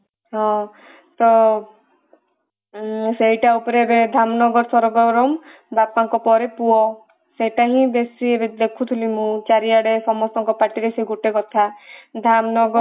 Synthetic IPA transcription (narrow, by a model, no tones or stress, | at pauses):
ɦɔ̃ | t̪ɔ | sejʈaupɔɾeɾed̪ʱamnɔɡɔɾɔsɔɾɔɡɔɾɔm | bapaŋkɔpɔɾepuɔ | sejʈaɦĩbesiebed̪ekʰut̪ʰulimũt͡ʃaɾiaɽesɔmɔst̪ɔŋkɔpaʈiɾeseɡuʈekɔt̪ʰad̪ʱamnɔɡɔ